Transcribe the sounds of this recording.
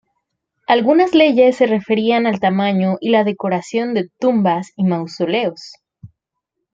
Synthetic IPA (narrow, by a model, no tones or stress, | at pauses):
alɣunazle̞ʝe̞sːe̞re̞fe̞ɾianalt̪amãɲo̞ʔilaðe̞ko̞ɾasjo̞nd̪e̞t̪umbasimawso̞le̞os